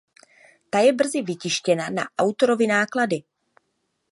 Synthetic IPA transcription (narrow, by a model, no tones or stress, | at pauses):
t̪ajɛbr̩zɪvɪcɪʃcɛnana̰ʔawt̪o̞ɾo̞vɪnaːkladɪ